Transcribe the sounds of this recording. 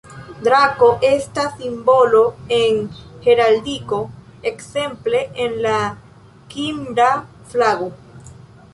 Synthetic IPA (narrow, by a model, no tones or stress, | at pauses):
d̪ɾakoʔest̪asimboloeŋxeɾald̪iko | ekse̞mpleʔenla | kimɾa | flaɣo